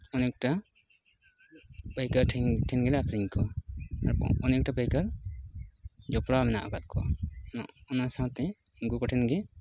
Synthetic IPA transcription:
ɔnɛk̚ʈa | pajkaɾʰʈʰɛnɡɛlɛakɾiɲkɔa̰ɾ̰ɔnɛk̚ʈapajkaɾ | d͡ʒɔpɽamɛna̰ʔaɡat̪̚kʰɔaɔnasãw̃t̪ɛ | iŋkukɔʈʰɛnɡɛ

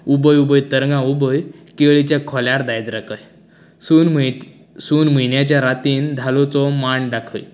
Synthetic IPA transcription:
ubəjubəjt̪əɾɡãubəjkeɭit͡ɕjakʰɔljaɾd̪ajd͡zɾakʰəj | u | suːnm̤injat͡ɕjaɾat̪iːnd̪ʱalɔt͡sɔmaɳɖakʰə̰j

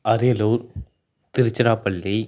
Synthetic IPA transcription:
ɐɾɪjɐluːɾ | t̪ɪɾɪt͡ʃːɐɾaːpɐɭːi

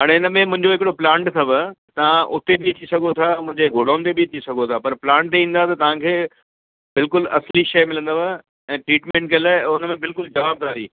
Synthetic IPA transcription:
ɦaːɽ̃eɪnəmẽmʊ̃ɦɪ̃ɲd͡ʑoɦɪkɪɽoplãːɳʈsʰɐbət̪ɐʋ̤ãʔʊt̪ebɪɐt̪isɐɡʱot̪ʰamʊ̃ɦɪ̃ɲd͡ʑeɡʱoːɽãːnt̪ebiɐt̪ʰisɐɡʱot̪ʰaːpɐɾplãːɳʈĩːnd̪at̪ɐt̪ɐʋ̤ãkʰeː | bɪlkʊlɐsliʃɐjmɪlə̃nd̪aʋa | ɛ̃ːʈɾiːʈmẽːɳʈkɐlaʊnəmẽbɪlkʊld͡ʑɐʋaːb̚d̪aːɾḭː

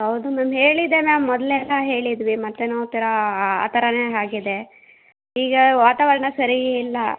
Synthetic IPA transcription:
ɦɐwd̪unaːmɦe̞ːɭid̪emaːmːɔd̪leɛlːɐɦe̞ːɭid̪ʋimɐt̪ːenoːt̪ːɐɾɐa̰ːt̪ɐɾɐneɦaːɡid̪e̞ | iːɡɐʋaːt̪aːʋɐɾɐɳɐsɐɾiilːɐ

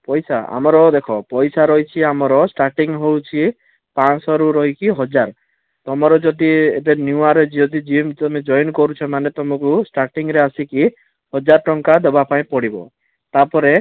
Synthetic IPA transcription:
pɔjsaa̰mɔɾɔd̪ekʰɔpɔjsaɾɔɦit͡ʃʰiamɔɾɔsʈaɾʈiŋɦewt͡ʃʰi | pansɔɾuɾɔɦikiɦɔd͡ʒaɾ | t̪ɔmɔɾɔd͡ʒɔd̪iebenjuaɾed͡ʒɔd̪id͡ʒimt̪ɔmid͡ʒɔjnkɔɾut͡ʃʰɔmanet̪ɔmɔkusʈaɾʈiŋɾeasiki | hɔd͡ʒaɾʈɔŋkad̪ebapaĩpɔɽibɔ̰ | t̪apɔɾe

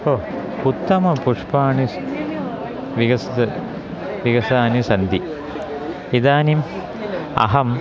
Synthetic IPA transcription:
o | put̪ːɐmɐpuʂpaːɳis | ʋiɡɐst̪ɐ | ʋiɡɐsaːnisɐnd̪i | id̪aːnim | ɐ̰ɦɐm

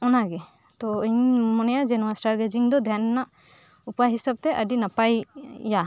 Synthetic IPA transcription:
ɔnaɡɛ | t̪ɔɲmɔnɛjad͡ʒɛnɔwasʈaɾɡed͡ʒiŋd̪ɔd̪ʱjanːa | upajɦisab̚t̪ɛʔəɖinapajja

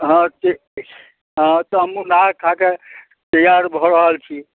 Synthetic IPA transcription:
ɦɔ̃tʰi | ɦɔ̃t̪ɔɦəmunakʰake | t̪əjaɾbʱɔɾəɦəlt͡ʃʰi

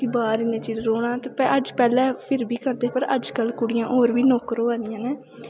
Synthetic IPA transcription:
ibaːɾɪnẽːt͡ʃiːzɾoːɽ̃ãːt̪epɛəd͡ʒpɛːlɛːpʰɪɾbiːkəɾd̪eːpəɾəd͡ʒkəlkʊɽɪjãːʔoːɾbiːnoːkəɾoːãːd̪ɪjãːneː

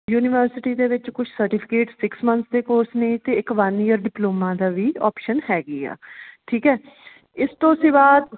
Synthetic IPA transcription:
juːnɪʋəɾsɪʈiːd̪eːʋɪt͡ʃkʊt͡ʃʰsəɾʈipʰɪ̥keːʈsɪksmə̃nt̪sd̪eːkoːɾsneːt̪eːɪkʋaːniːəɾɖɪploːmãːd̪aːʋiːɔːpʃənhɛːɡiːa̰ːʈʰiːkɛː | ɪst̪õːsĩːbaːd̪

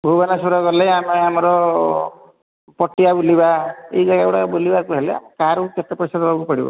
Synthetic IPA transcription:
bʱobanasuɾɔkɔɾleameamɔɾɔ | pɔʈːiabulibaeid͡ʒaɡaewɽabolibakuɦelea̰mekaɾuket̪epɔɾisad̪ɔlɔkupɔɽibɔ̰

